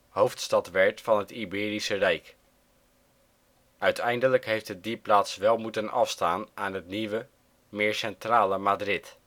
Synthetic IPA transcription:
howftstɑtʋɛɹtfɑnɦətibɪːɾisərɛjk | œɥtʰɛjndələkɦejftɦədiplaːtsʋɛlˠmutənɑfstaːnʔaːnɦətniʋə | mɪːɹsɛntraːləmaːdrɪt

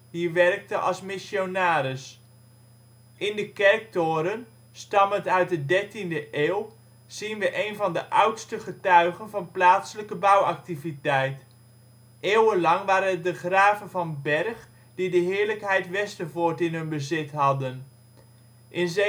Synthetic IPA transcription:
ɦiːɹʋɛrk̚təʔɑ̰lˠsmɪsonaːɾɪs | ʔɪndəkɛɹk̚tʊːɾən | stɑməntœɥt̚dədɛɹtindəʔeːw | z̥inʋəʔejnvɑndəʔʌwtstəχətœɥχənvɑnplaːtsələkəbʌwɑk̚tivitɛjt | ʔeːwənlɑŋʋaːɾənət̚dəχraːvənvɑnbɛrχ | didəɦɪːɹləkɦɛjtʋɛstəvʊːɹtɪnɦɵnbəzɪtɦɑdən | ʔɪnze

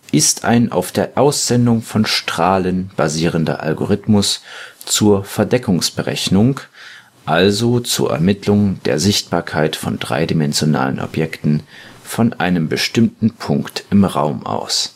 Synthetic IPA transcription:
ʔɪstʔa̰ɪnʔa̰ʊfd̥eːɐʔaʊsz̥ɛndʊŋfɔnʃtʁ̥aːlənb̥aziːʁ̞əndɐ̰ʔa̰lɡoʁ̞ɪtmʊst͡suːɐfɛɐdɛkʊŋsb̥əʁɛ̰çnʊŋ | ʔalzot͡sṵːɐʔɛ̰ɐmɪtlʊŋd̥ḛːɐzɪçt̚b̥aːɐkʰaɪtfɔndʁa̰ɪdimɛnzjona̰ːlənʔɔ̰pjɛktn̩fɔnʔa̰ɪnəmbəʃtɪmtn̩pʰʊŋktɪmʁa̰ʊmʔa̰ʊs

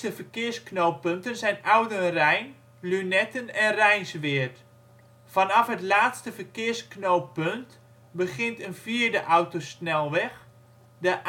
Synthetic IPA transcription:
təfərkɪərsknowpøntənzɛjnʔawdərɛjn | lynɛtənɛnrɛjnsʋɪərt | fanɑfɦətlaːtstəfərkɪərsknowpønt | bəχɪntənfiərdəʔawtosnɛlˠʋɛx | dəʔ

